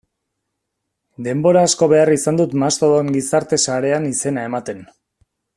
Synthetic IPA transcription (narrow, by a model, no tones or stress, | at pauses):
d̪e̞mbo̞ɾaːsko̞βe̞arisand̪ut̪mast̪oðoeŋɡisaɾt̪e̞saɾe̞anise̞nae̞mat̪e̞n